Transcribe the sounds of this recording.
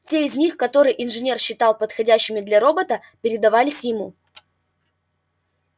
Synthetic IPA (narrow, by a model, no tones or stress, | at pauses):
tʲeɪzʲnʲixkɐt̪o̞ɾɨjʔɪnʐɨnʲe̞rɕːɪt̪ɑlˠpət̪xɐdʲæɕːɪmʲɪd̪lʲɐɾo̞bət̪ə | pʲɪɾʲɪd̪ɐvalʲɪsʲjɪmu